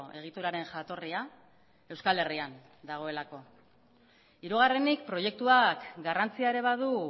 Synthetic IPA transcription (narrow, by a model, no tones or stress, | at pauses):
e̞ɣ̞it̪uɾaɾe̞ŋʝat̪o̞ria | e̞wskale̞rian | d̪aɣ̞o̞e̞lako̞ | iɾuɣ̞are̞nik̚pɾo̞je̞k̚t̪uakɡarant͡siaeɾe̞βaðu